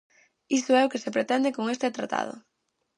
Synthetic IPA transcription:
isʊɛʊkesepɾet̪ɛnd̪ekoŋest̪et̪ɾat̪a̰ð̞ʊ̰

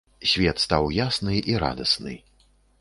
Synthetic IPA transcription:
sʲvʲɛt̪st̪awjasnɨʔiɾa̰d̪ɐsnɨ̰

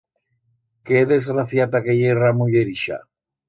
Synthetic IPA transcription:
keðezɣɾaθjat̪akejeramuʎeɾiʃa̰

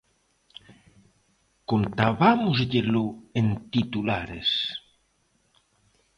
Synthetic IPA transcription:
kont̪aβamʊzʎeloent̪it̪ulaɾes

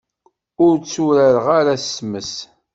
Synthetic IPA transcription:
ʊɾt͡sːuɾæɾʁaɾasːməs

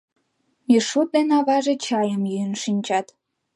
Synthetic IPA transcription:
iʃut̪̚d̪enɑβɑʒet͡ɕɑjəmjyənʃinʲt͡ɕɑt̪

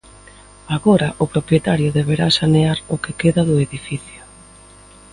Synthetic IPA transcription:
aɣoɾaʔʊpɾopɾjet̪aɾjʊðeβ̞eɾasaneaɾʊkekeðaðʊeðifiθjʊ

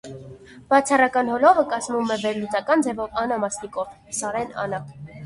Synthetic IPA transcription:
b̥ɑt͡sʰɑrɑkɑnɦɔlɔvəkɑzmumɛvɛɾlut͡sɑkɑnd͡zɛvɔvɑnɑmɑsnikɔv | sɑɾɛnɑ̰nɑ

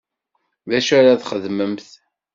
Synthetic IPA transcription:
ðæʃæɾaðχəðməmθ

